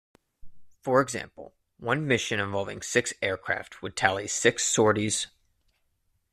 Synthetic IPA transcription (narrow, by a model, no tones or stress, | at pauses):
fə˞ɨɡzæ̰̃mpl̩ˠ | wʌ̃nmɪʃɨ̃ñɨ̃ɱvɑlˠvɪ̃ŋsɪksɛɹkʰɹ̥æ̰ftwəd̚tʰælˠisɪksɔɹɾiz̥